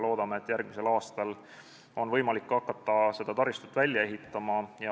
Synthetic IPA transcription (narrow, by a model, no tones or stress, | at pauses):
loːd̪̥ɑmeet̪ːˑjærɡ̥̚mise̞lɑːst̪ɑl | o̞nvɤjmɑlikːɑkːˑɑt̪ˑːɑse̞d̪̥ɑt̪ɑɾist̪u̥t̪ːˑvælʲjɑe̞ɦit̪ˑːɑmɑjɑ